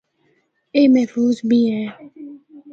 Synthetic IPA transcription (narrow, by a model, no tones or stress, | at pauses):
emɛfuːzbiɛ̃